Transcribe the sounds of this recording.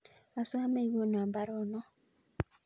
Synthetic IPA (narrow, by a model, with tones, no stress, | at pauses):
a˨sʊ˦a˦me˦˨˦ɡo˦no˨a˨ba˦ɾɔ˦nɔ˦